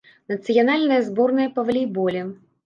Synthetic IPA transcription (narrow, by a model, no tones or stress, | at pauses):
nɐt̪sɨjanalʲnɐjɐzbɔrnɐjɐpɐvɐlʲijbɔlʲɛm